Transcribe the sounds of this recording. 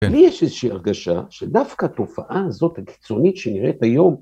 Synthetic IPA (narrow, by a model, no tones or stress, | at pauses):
lijeʃezeʃiaʁɡaʃa̰ʃedafkaːt̪o̞faʔaːzo̞t̪haki̥t͡so̞nit̪ʃeniʁʔet̪ajo̞m